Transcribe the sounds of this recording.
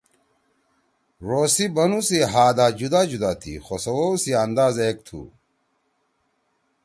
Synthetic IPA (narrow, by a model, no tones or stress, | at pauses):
ɾoːsibɐnusiɦaːd̪aːd͡ʑud̪aːd͡ʑud̪aːt̪ʰḭxosɐwosiɐnd̪aːzeːk̚t̪ʰṵ